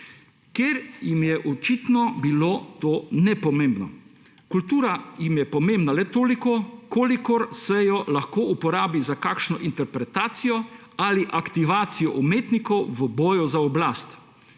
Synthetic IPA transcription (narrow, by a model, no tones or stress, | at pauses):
keɾjimjɛʔɔt͡ʃit̪nɔbilot̪oːnɛpɔmembnɔ̰ | kult̪uːɾajimjɛpɔmẽmbnalɛt̪oːlikɔkoːlikɔɾsɛjɔlaxkoːʔupɔɾaːbizakakʃnɔʔint̪ɛɾpɾɛt̪aːt̪sijɔ | aliʔakt̪iʋaːt̪sijɔʔumeːt̪nikɔwʋəbɔːjɔzaɔblaːst̪